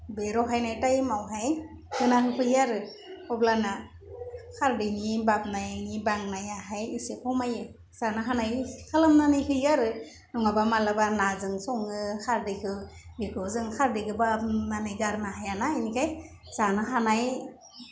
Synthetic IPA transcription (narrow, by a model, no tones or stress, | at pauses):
beɾɔɦajnajtajmawɦaj | hɯnahɯkʰɯjaɾɯ | ɔblana | kʰaɾdɯjnibap̚najnibaŋnajaɦajɯsekʰɔwmajɯ | z̥anɯɦanajkʰalamnanɯjkɯjaɾɯ | nɔŋabamalabanazɯŋsɔŋɯkʰaɾdɯjkʰɯwnikʰɯzɯŋkʰaɾdɯɡɯbapnanɯjɡaɾnaɦajanainikʰaj | z̥anɯɦanaj